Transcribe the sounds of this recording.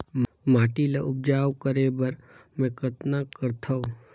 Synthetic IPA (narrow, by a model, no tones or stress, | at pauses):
maːʈilaʔʊp̚d͡ʒaːwkəɾebɐɾmɛ̃kəɾt̪nakəɾt̪ʰau